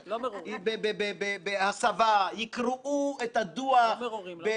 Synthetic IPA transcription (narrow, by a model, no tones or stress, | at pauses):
lbebebebebehasavajikɾuʔuet̪ad̪uaibe